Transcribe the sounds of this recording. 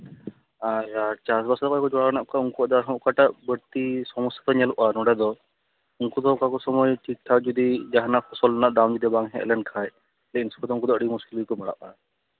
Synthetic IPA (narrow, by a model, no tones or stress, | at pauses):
aɾt͡ʃasbasat̪akɔɛkɔd͡ʒɔɽawnaʔkauŋkuəd̪aɾɦɔmkaʈaʔbəɽt̪isɔmɔsḁt̪ɔɲɛluʔanɔɽɛd̪ɔ | uŋkɔd̪ɔkakɔsɔmɔjʈik̚ʈʰad͡ʒɔd̪id͡ʒaɦanakʰɔsɔlnaʔd̪amd͡ʒud̪ibaŋɦɛ̃ɛ̰lɛnkʰaj | lɛkinsɔ̥kʰɔd̪ɔuŋkɔd̪ɔəɽimuskilikɔmɛɽa̰ʔa̰